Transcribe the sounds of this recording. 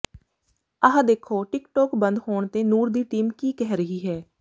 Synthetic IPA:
əɦãd̪eːkʰoːʈɪkʈɔːkbənd̪hoːɳt̪eːnuːɾd̪iːʈiːmkiːkɛɦɾəɦiːɦɛː

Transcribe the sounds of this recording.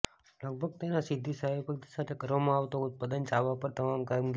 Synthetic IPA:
ləɡ̚bʱəɡ̚t̪enasɪd̪ʱːisəɦipək̚t̪isat̪ʰekəɾʋamãaʋt̪out̪̚pad̪ənt͡ʃaʋapəɾt̪əmamkamɡ

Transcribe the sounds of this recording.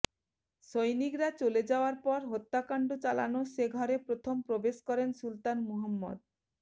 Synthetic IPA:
ʃojnikɾat͡ɕoled͡ʑaoaɾpɔɾɦot̪ːakaɳɖot͡ɕala̰noʃeɡʱɔɾepɾot̪ʰompɾobeʃkɔɾensult̪anmuɦamːo̰d̪̚

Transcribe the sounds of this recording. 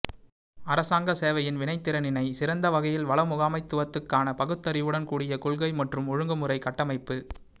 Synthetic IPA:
ɐɾɐsaːŋɡɐseːʋɐjɪnʋɪnɐɪt̪ːɪɾɐnɪnɐɪsɪɾɐnd̪ɐʋɐɣɐjɪlʋɐɭɐmʊɣaːmɐɪt̪ːɯʋɐt̪ːɯkːaːnɐpɐɣɯt̪ːɐɾɪʋɯɽɐnkuːɽɪjɐkʊɭɣɐɪmɐʈrɯmɔɻɯŋɡɯmɯrɐɪkɐʈːɐmɐɪpːɯ

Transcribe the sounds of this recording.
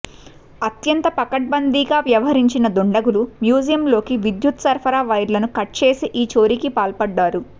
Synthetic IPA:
ɐt̪jɐnt̪ɐpɐkɐʈ̚bɐnd̪iːɡaːʋjɐʋɐɦɐɾiɲt͡ʃinɐd̪oɳɖɐɡulumjuːd͡ʒijɐmlo̞ːkiʋid̪jut̪sɐɾpʰɐɾaːʋɐjɾlɐnukɐʈ̚t͡ʃeːsiʔiːt͡ʃo̞ːɾikipaːlpɐɖːaːɾu

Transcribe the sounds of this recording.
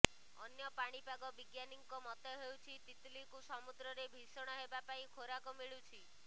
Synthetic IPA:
ɔnjɔpaɽ̃ipaɡɔbiɡjaniŋkɔmɔt̪eɦewt͡ʃʰit̪it̪likusɔmud̪ɾɔɾebʱisɔɽ̃ɔɦebapaĩkʰoɾakɔmiɭut͡ʃʰi

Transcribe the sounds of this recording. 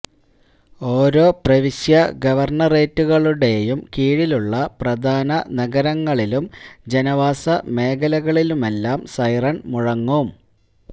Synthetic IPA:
o̞ːɾo̞ːprɐʋiɕjɐɡɐʋɐrɳɐre̞ːtːuɣɐɭuɽe̞jumkiːɻiluɭːɐprɐd̪ʱaːnɐnɐɡɐɾɐŋːɐɭilumd͡ʑe̞nɐʋaːsɐme̞ːɡɐlɐɣɐɭilume̞lːaːmsɐjrɐnmuɻɐŋːom

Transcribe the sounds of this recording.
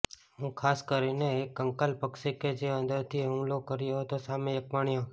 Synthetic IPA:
ɦũkʰaskəɾineekːəŋkəlpəkʃeked͡ʒeə̃nd̪əɾt̪ʰiɦũlokəɾijoɦt̪osamẽjəkʋaɳ̃jo

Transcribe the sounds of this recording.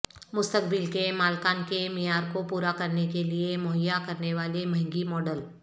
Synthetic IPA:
mʊst̪ək̚bɪlkemaːlkaːnkemɪjaːɾkopuːɾakɐɾnekeliemʊɦəjːakɐɾneʋaːlemɐ̃ɦɪ̃ŋɡimɔːɖəl

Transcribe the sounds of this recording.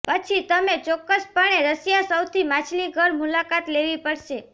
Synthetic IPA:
pət͡ʃʰit̪əmet͡ʃɔkːəspəɳ̃eɾəsjasəwt̪ʰimãt͡ʃʰliɡʱəɾmulakat̪leʋipəɽʃe

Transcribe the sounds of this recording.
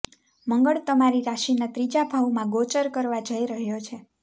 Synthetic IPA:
məŋɡəɭt̪əmaɾiɾaʃinat̪ɾid͡ʒabʱaʋumãɡot͡ʃəɾkəɾʋad͡ʒəiɾəɦjot͡ʃʰe

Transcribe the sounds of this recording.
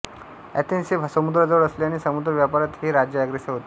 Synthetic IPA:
ɛ̰t̪insebʱsəmud̪ɾəd͡zəʋəɽəsleaɽ̃isəmud̪ɾəʋjapaɾat̪ɦiɾad͡ʑjəɛɡɾeseɦot̪

